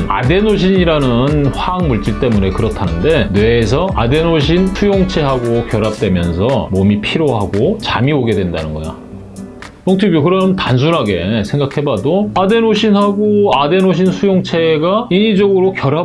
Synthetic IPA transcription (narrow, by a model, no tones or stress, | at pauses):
a̰de̞noɕ̬ʰiɲiɾanɯnɸwaŋmuɭt͡ɕ͈iɭt͈e̞mune̞kɯɾʌtʰanɯnde̞nwe̞ːs̬ʰʌade̞noɕ̬ʰinsʰujoŋt͡ɕʰe̞ɦaɡokjʌɾap̚t͈wemjʌnsʰʌmomipʰiɾjoɦaɡot͡ɕa̰mioɡe̞dwe̞nda̰nɯnɡʌ̰jo̰ | joŋtʰibjokɯɾʌntans̬ʰunɦaɡe̞sʰe̞ŋɡakʰe̞badoade̞noɕʰinɦaɡoade̞noɕ̬ʰinsʰujoŋt͡ɕʰe̞ɡaiɲid͡ʑʌɡɯɾokjʌɾa